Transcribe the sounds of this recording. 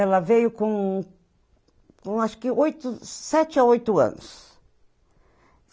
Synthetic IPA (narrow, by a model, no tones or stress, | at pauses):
ɛlɐvejʊkõ | kõaʃʊ̥kɪʔojt̪ʊsɛt͡ʃɪaojt̪ʊɐ̰̃nʊ̰s